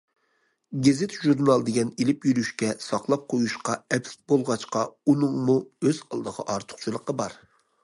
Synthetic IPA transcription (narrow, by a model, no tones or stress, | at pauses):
ɡʲezɪt̪ʒuɾnɑlˠd̪eɡʲɛnelɪpjyɾyʃkʲɛsɑχlˠɑp̚qʰojuʃqɑɛpsk̚ʲbolˠʁɑt͡ʃqɑunɨŋmuøz̥ɑ̰lˠd̪əʁɑ̰ʔɑɾt̪ʰʊ̥χt͡ʃʰɨlˠəqəbɑɾ